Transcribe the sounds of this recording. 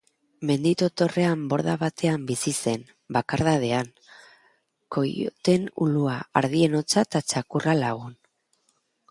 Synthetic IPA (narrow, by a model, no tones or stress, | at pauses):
me̞nd̪it̪o̞t̪o̞re̞ambo̞ɾðaβat̪ʰe̞ambisise̞n | bakaɾðaðe̞aŋ | ko̞jo̰t̪e̞nṵluaaɾð̞ie̞no̞t͡sat̪at͡ʃakuralaɣun